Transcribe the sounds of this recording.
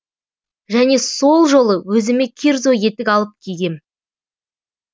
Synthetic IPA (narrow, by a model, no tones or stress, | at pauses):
ʒæne̞so̞lˠʒo̞lˠəwɵzɪme̞kʲʰeɾzo̞je̞t̪ɪkʲɑlˠəp̚kʲʰeɡʲe̞m